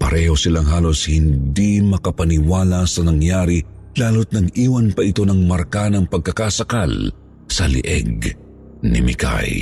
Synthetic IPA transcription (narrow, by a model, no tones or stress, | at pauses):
pɐɾʔɛho̞sɪlaŋɦaːlo̞shɪnd̪imɐkɐpɐnɪwaːlasɐnɐŋjaːɾi | laːlot̪̚nɐɡiːwɐnpɐʔɪt̪o̞nɐŋmɐɾkanɐŋpɐɡ̚kɐkasɐkal | sɐlɪ̰ʔɛ̰ɡ̚ | nɪ̰mɪ̰ka̰j